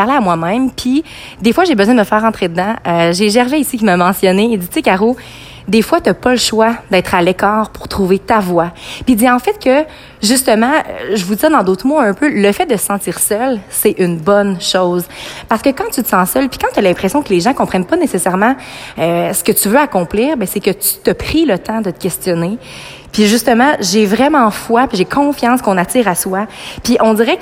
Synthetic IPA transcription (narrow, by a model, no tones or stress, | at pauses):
aʁleamwamɛ̃mpʰi | d̪efwaʒebəzwɛ̃d̪əməfɛːʁɑ̃t̪χed̪əd̪ɑ̃øʒeʒɛʁʒɛisikʲimamɑ̃sjɔneːd͡z̪it͡sekaʁo | d̪efwat̪yapɔləʃwad̪ɛt̪χalɛkɑːʁpʊʁt̪χuvet̪avwapid͡z̪iʁɑ̃fɛt̪̚kə | ʒyst̪əmɑ̰̃ʒəvud̪izad̪ɑ̃d̪ɔt̪χmoɛ̃pøləfɛd̪əsəsɑ̃tt͡s̪iʁsœlsɛʔynbɔnʃɔʊzpaʁsə̥kəkɑ̃t̪yt̪əsɑ̃sœlpi̥kɑ̃t̪yalɛ̃pχesjɔ̃kəleʒɑ̃kɔ̃pχɛnpʌnesesɛʁmɑ̃øsə̥kət̪yvøakɔ̃pliːʁbɛ̃sɛkət̪y̥t̪əpχilət̪ɑ̃d̪ət̪ə̥kʲɛst̪jɔne | piʒyst̪əmɑ̃ʒevʁɛmɑ̃fwapiʒekʰɔ̃fjɑ̃ːskɔ̃nat͡s̪iːʁaswapiʔɔ̃d̪iːʁɛ